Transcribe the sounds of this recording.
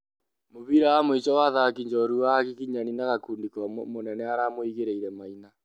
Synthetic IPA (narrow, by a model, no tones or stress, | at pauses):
moβiɾawamoit͡ʃɔwaðaakiɲd͡ʒɔɾuwaɣikiɲaninaɣakundikamonɛnɛaɾamoiɣeɾeiɾɛmaina